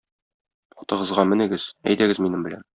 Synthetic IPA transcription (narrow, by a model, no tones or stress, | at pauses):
ɒt̪ɤ̆ʁɤ̆zʁɑmɘ̆nɘ̆ɡɘz̥æ̰jt̪æɡɘzminɘmbɘ̆læ̰n